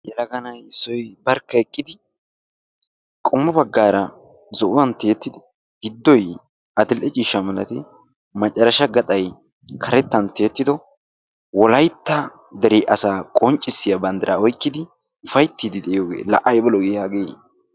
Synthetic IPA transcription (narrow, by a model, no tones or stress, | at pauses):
jɛlɐɡɐnɐjɪsːɔjbɐɾkːɐɛkʼːɪd̪ɪ | kʼʊmːɐbɐɡːaːɾɐ | zɔʔʊwɐnt̪ːe̞ːt̪ːɪd̪ɪ | ɡ̥ɪd̪ːɔj | ʔɐd̪ɪlʔɛt͡ʃʼiːʃːɐmɐlɐt̪ɪ | mɐt͡ʃʼːɐɾɐʃɐɡɐt̪ʼɐj | kʰɐɾɛt̪ːɐnt̪ːe̞ːt̪ːɪd̪ɔ | wɔlɐjt̪ːɐ | d̪ɛɾɪʔɐsaːkʼɔnt͡ʃʼːɪsːɪjɐbɐnd̪ɐɾʔaɔjkːɪd̪ɪ | fɐjt̪ːid̪ɪd̪ɛɪjoːɡḛːlɐ̰ʔɐjbɔlɔɡeːhɐɡeː